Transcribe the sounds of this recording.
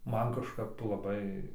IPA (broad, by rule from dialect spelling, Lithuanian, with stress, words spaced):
ˈmɐn kɐʃˈkɐp lˠɐˈbɐɪ